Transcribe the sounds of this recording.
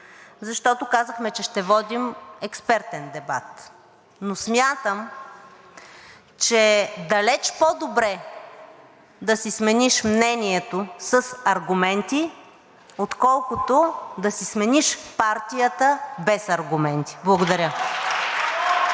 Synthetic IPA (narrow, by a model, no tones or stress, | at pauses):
zɐʃt̪ɔt̪okazəxmɛt͡ʃɛʃt̪ɛvɔd̪imɛkspɛɾt̪ɛnd̪ɛba̰t̪ | nosmʲjat̪əm | t͡ʃɛd̪ɐlɛt͡ʃpod̪obɾɛ | d̪ɐsismɛniʃmnɛnʲiɛt̪osəsɐɾɡumɛnt̪i | ot̪kɔlˠkʊt̪od̪ɐsismɛniʃpaɾt̪ʲijət̪əbɛsɐɾɡʊmɛnt̪i̥blˠɐɡʊd̪ɐɾʲjə